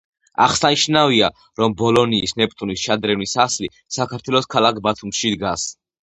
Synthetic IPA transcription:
a̰χsaniʃnavia | ɾɔmbɔlɔniːsnɛpʼt̪ʼunisʃad̪ɾɛvnisasli | sakʰaɾt̪ʰwɛlˠɔskʰalˠakʰbat̪ʰumʃid̪ɡas

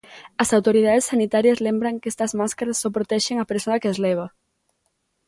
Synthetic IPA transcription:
ɐsawt̪oɾið̞aðesːanit̪aɾjɐzlembɾɐŋkest̪ɐzmaskaɾasːɔpɾot̪ɛʃeŋapeɾsoɐkezlɛβ̞ɐ

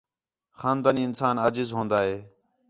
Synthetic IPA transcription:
xaːnd̪aːniːɪnsaːnaːd͡ʒɪzɦõːnd̪aːɦeː

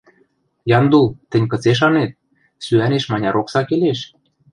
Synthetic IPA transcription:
jɑnd̪ult̪ɘ̆nʲkɤ̆t͡seʃ̬ɑnet̪̚ | syæneʃmɑnʲɑɾoksɑkeleʃ

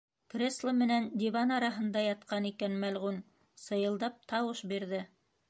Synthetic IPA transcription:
kɾʲeslˠəmɘ̆nænd̪ʲivanɑɾɑɦɤ̆nd̪ɑjɑt̪qɑnikænmælʁʉn | sɤ̆jɤ̆lˠd̪ɑp̚t̪ɑwɤʃbiɾðɘ

